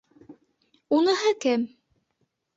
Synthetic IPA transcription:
unɤ̆ɦɤkɘm

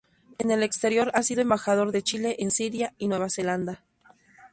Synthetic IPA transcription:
ene̞le̞kst̪e̞ɾjo̞ɾasiðo̞embaxað̞o̞ɾðe̞t͡ʃile̞ʔensiɾjainwe̞β̞ase̞land̪a

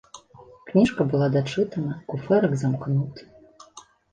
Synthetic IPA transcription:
knʲiʂkɐbɨlˠad̪aʈ͡ʂɨt̪anakufɛɾɨkzamknut̪

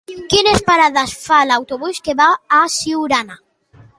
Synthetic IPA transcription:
kinespaɾaðasfalaawt̪oβuskeβaːsiwɾana

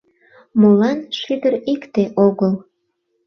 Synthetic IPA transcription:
molɑnʃyd̪əɾikt̪eʔoɣəl

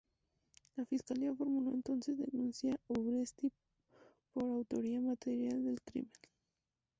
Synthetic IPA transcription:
lafiskaliafo̞ɾmunoent̪o̞nsezðḛnũnsjauβɾest̪i | po̞ɾawt̪oɾiamat̪eɾjald̪elk̪ɾḭmen

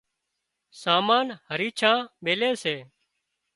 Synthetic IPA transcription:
saːmaːnhəɾiːt͡ʃʰãːɓeːlẽːseː

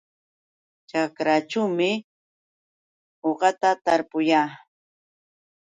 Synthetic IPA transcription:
t͡ʃakɾat͡ʃawmɪ | oɢɑt̪at̪aɾpʊjaː

